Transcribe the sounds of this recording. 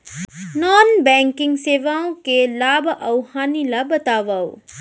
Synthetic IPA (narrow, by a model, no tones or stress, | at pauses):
nɔːnbɛ̃ːŋkɪŋɡseːʋaːõkelaːbʱɐwhaːnilabɐt̪aːʋaːw